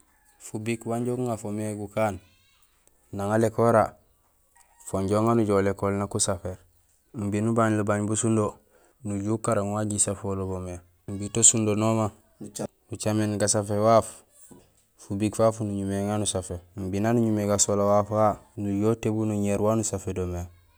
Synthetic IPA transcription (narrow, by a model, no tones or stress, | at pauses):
fubikwaɲɟokuŋafomeɡukaːn | naŋalekoɾa | foɲɟoŋanuɟolekolnakusafeɾ | m̩binubaɲlubaɲbusundo | nuɟukaɾaŋwaɟisafolobome | mbitosundonoma | nut͡ʃamenɡasafewaːf | fubiɡfafunuɲumeŋanusafembinanuɲumeɡasolawafanuɟotebunuɲeɾwanusafedome